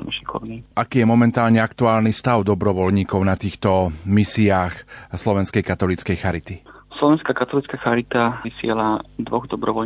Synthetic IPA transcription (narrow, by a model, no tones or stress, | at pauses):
na̰ʃɛjkɔ̰ɾuniʔakiːjɛmɔmɛnt̪aːlɲɛakt̪uaːlnist̪aʊd̪ɔbɾɔʋɔlɲiːkɔʊnat̪iːxt̪ɔmisiaːxslɔʋɛnskɛjkat̪ɔlit͡skɛjxaɾit̪i | slɔʋɛnskakat̪ɔlit͡skaxaɾit̪aisɪɛlad̪ʋɔɣd̪ɔbɾɔʋɔl